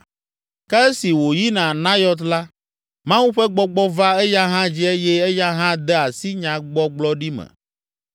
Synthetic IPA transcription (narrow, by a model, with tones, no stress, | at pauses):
kɛ˦ɛ˦si˨wo˨ji˦nã˨nã˦jɔ˦t̪la˦ | mã˦wu˦ɸɛ˦ɡ͡bɔ˦ɡ͡bɔ˦va˦ɛ˦ja˦ɦã˦d͡ʑi˦e˦jɛ˦ɛ˦ja˦ɦã˦d̪ɛ˦a˨si˦ɲã˨ɡ͡bɔ˦ɡ͡blɔ˦ɖi˦mɛ̰˨